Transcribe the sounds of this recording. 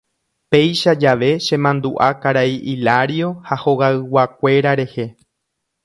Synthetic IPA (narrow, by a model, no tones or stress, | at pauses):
pe̞jʃad͡ʒaʋe̞ʃẽ̞mãnd̪uʔakaɾaiʔilaɾio̞haho̞ɣaɨwakʷe̞ɾaɾe̞he̞